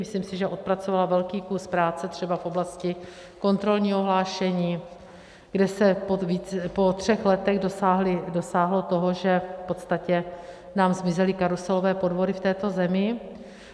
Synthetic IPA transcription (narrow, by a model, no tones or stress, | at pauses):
mɪsliːmsɪʒɛʔo̞t̪̚pɾat͡sovalavɛlkiːkuspɾaːt͡sɛt̪r̝̥ɛbafʔoblascɪ | ko̞nt̪ɾo̞lɲiːɦoɦlaːʃɛɲiː | ɡdɛsɛpoviːt͡spo̞t̪r̝̥ɛxlɛt̪ɛɣdosaɦlɪdo̞saːɦlot̪o̞ɦoʒɛpo̞t̪st̪acɛ | naːmzmɪzɛlɪkaɾusɛlo̞vɛːpo̞dvo̞dɪft̪ɛːt̪o̞zɛmɪ